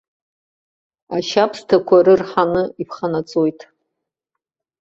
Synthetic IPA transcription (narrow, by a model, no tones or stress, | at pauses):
aʃapʰstʰakʷʰaɾɨrħanɨipʰχanat͡sʼojtʼ